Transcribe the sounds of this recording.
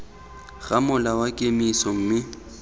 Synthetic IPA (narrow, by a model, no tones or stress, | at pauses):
ɣamʊlawakʼemisɔŋ̩ːmɪ